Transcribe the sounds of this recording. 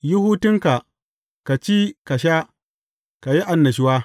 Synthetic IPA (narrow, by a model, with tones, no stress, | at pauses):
ji˦huː˦tɪ˦ŋka˨ | ka˨t͡ʃi˦ka˨ʃa˦ | ka˨ji˦ʔa˨nːɐ˨ʃ̬ɪ˦wa˦